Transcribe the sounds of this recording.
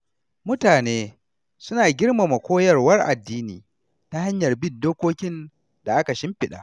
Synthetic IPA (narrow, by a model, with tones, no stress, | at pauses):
mʊ˦taː˨neː˦ | sʊ˦naː˨ɡʲɪ˦rma˨mɐ˨kʷoː˦jɐ˦˨rwɐ˦rʔa̰˨dːiː˦niː˨ | ta˦ha˦ɲjɐ˨rbɪ˦ndoː˦kʷoː˦kʲɪ˦n | d̥a˨ʔa˦ka˨ʃɪ˦mɸɪ˨ɗa̰ː˨